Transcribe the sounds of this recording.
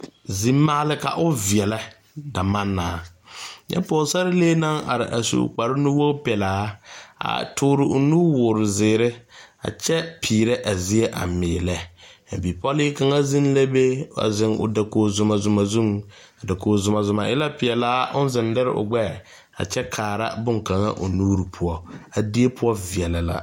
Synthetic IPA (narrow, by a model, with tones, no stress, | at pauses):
zi˦mːa˦lɪ˦ka̰˨ʔʊ˦vi˨ɛ˨la˦ | da˨ma˦nːaː˨˦jʔɛ̰˦pɔː˨sa˦ɾɪ˦leː˦na˦ŋa̰˨ɾɪ̰˨ʔa˨sṵ˨k͡pa˨ɾɪ˦nu˦wo˦pɛ˨laː˨˦a̰˨tʰʊː˦ɾɪ˨ʔʊ˨nuː˦wʊː˨ɾʊ˨zɪː˨ɾɪ˦a̰˨t͡ʃɛ˦pʰiː˨ɾe˦ʔa˨zi˦ɛ˦ʔa̰˨mɪː˨lɛ˦a˨bi˨pɔ˦lɪ˦ka˨ŋa˦zɪ˦n˦la˦be˦a̰˨zɪ˨ŋʊ̰˨da˨koː˨zʊ˨ma˨zʊ˨ma˨zu˦ŋ | a˨da˨koː˨zʊ˨ma˨zʊ˨ma˨ʔɪ˦la˦pɪ˨ɛ˨laː˦ʔʊ˦n˦zɪ˨ndɪ˦ɾɪ̰˦ʔʊ̰˨ɡ͡bɛ˦˨ | a̰˨t͡ʃɛ˦kʰaː˨ɾa̰˦bʊ˦ŋka˨ŋa̰˦ʔʊ̰˨nuː˦ɾɪ˨pʰʊ˦ɔ˦a˨di˦e˦pʊ˦ɔ˦vi˨ɛ˨la˨la̰˨